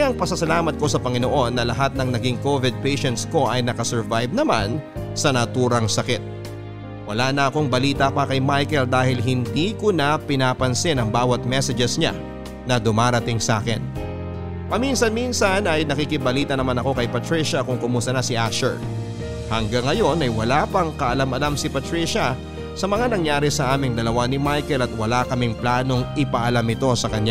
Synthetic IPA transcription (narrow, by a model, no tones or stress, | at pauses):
ʔɐŋpɐsɐsɐlaːmɐt̪̚ko̞sɐpɐŋɪno̞ʔo̞nːɐlɐɦat̪̚nɐŋnɐɡɪŋko̞vɪd̪̚pɛjʃɛnt̪sko̞ʔɐjnɐkɐsɛɹvajb̚nɐma̰nsɐnɐt̪uːɾɐŋsɐkɪt̪̚ | wɐlanɐɐko̞ŋbɐliːt̪ɐpɐkɐjmajkɛld̪aːhɪlɦɪnd̪iːkonɐpɪnaːpɐnsɪnɐŋbaːwɐt̪̚mɛsɛd͡ʒɛsɲa̰ | nɐd̪ʊmaːɾɐt̪ɪŋsa̰ːkɛ̰n | pɐminsɐnminsɐnɐjnɐkikɪbɐliːt̪ɐnɐmanɐko̞kɐjpɐt̪ɾiʃɐkʊŋkʊmuːst̪ɐnɐsɪʔaʃɛ̰ɹ | hɐŋɡaŋːɐjo̞nɐjwɐlaːpɐŋkɐʔɐlamɐlamsɪpɐt̪ɾiʃɐ | sɐmɐŋanɐŋjaːɾɪsɐʔaːmɪŋd̪ɐlɐwanɪmajkɛlɐt̪̚wɐlakɐmɪŋplaːno̞ŋʔɪpɐʔɐlamɪt̪o̞sɐkɐɲa